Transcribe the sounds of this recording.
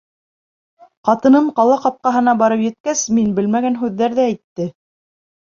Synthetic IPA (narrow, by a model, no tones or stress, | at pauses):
qɑt̪ɤ̆nɤɴqɑlˠɑqɑp̚qɑɦɤ̆nɑbɑɾɤpjɘ̆t̪̚kæsminbɘlmæɡænɦʉðːæɾðææjt̪ːɘ